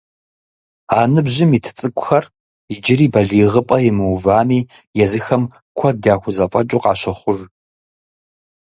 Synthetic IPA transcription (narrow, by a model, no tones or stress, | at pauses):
aːnɨbʑɪmiːtʰɨ̥t͡sʼɨkʷʼʊxɐr | id͡ʒɪɾiːbɐɮiːʁəpʼɐjɪmɨwvaːmiːjɛzɨxɐm | kʷʰɔdaːxʷʊzɐfʼɐt͡ʃʼuqɑːʃɐχʷʊr